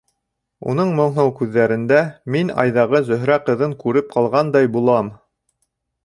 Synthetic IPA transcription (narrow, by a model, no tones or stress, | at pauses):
ṵn̪ɤɴmŏɴɦɤwkʉðːæɾɘ̆nd̪æminɑ̰jðɑʁɤzɵ̆ɦɾæqɤ̆ðɤŋkʉɾɘp̚qʰɑlˠʁɑnd̪ɑjbulˠɑm